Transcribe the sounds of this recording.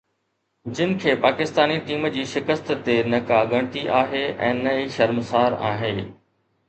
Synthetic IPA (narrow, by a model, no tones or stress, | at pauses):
d͡ʑɪnɪ̆kʰeːpaːkɪst̪aːniʈiːmd͡ʑiːʃɪkəst̪t̪enɐkaɡɐɽ̃t̪iʔaːɦeɛ̰̃ːnɐiʃɐɾmsaːɾa̰ːɦe